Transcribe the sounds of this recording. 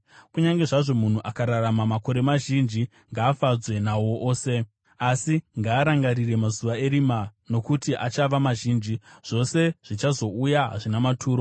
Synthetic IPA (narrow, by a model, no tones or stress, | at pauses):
kuɲaŋɡe̞ʐaʐo̞mun̤uʔakaɾaramamako̞ɾe̞maʒind͡ʒi | ŋɡaːfad͡zwe̞nawo̞ʔoːse̞ | asiŋɡaːɾaŋɡarire̞mazuʋae̞ɾimano̞kutiʔat͡ʃaʋamaʒiːnd͡ʒiʐ̥o̞se̞ʐ̥it͡ʃazo̞ujaɦa̰ʐinamatʰuːɾo̞